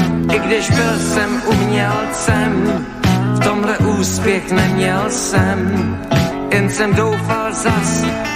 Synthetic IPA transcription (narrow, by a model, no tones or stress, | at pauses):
ʔɪɡdɪʃbɪlsɛmumɲɛlt͡sɛm | ftɔmlɛʔuːspɪxnɛmjɛlsɛm | ʔɪnsɛmdowfalzas